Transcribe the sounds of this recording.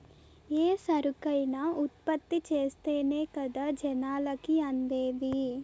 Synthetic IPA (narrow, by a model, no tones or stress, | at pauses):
eːsɐɾukɐjnɐut̪̚pɐt̪ːit͡ʃeːst̪eːneːkɐd̪aːd͡ʒɛnaːlɐkiɐnd̪eːd̪i